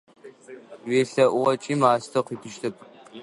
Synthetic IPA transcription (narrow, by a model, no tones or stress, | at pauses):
weːɬɐʔʷʊʁɐt͡ʃʼiːmaːstʰɐqʷiːtʰɨʃtʰɨpʰʼ